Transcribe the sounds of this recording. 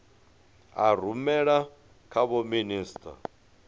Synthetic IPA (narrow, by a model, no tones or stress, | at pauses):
aɾ̤umɛɺa | kʰaβɔminiːstʰʼa̰